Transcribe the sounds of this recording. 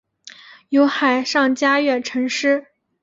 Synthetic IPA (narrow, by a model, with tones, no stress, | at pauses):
jo˧˥ʊxa˨˩ɪʂɑ˥˩ŋt͡ɕja˥ɥɛ˥˩nʈ͡ʂʰɤ˧˥ŋʂɻ̩˥